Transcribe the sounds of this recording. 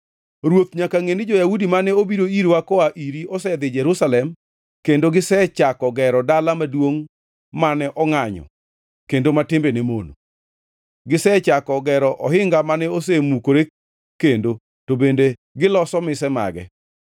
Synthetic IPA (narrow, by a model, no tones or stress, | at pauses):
ɾwot̪̚ɲakaŋenɪd͡ʒɔjaudimanɛobiɾoiɾwakɔaʔiɾiɔsɛd̪ɪd͡ʒɛɾusalɛm | kendoɡɪsɛt͡ʃakɔɡɛɾɔdalamadwoŋ | manɛʔɔŋaɲɔ̰ | kendomatɪmbenemono̰ | ɡɪsɛt͡ʃakɔɡɛɾɔʔɔɦɪŋɡamanɛos̬emukoɾe | kendo | tobendeɡɪlɔsɔmɪsɛma̰ɡɛ̰